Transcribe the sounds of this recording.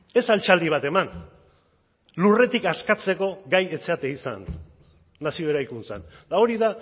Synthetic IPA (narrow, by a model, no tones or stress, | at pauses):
e̞salt͡ʃald̪iβ̞at̪e̞man | lure̞t̪ikaskat͡se̞ko̞ɡaje̞t͡se̞at̪eisa̰nː | asio̞eɾajkunt͡sa̰nd̪ao̞ɾiða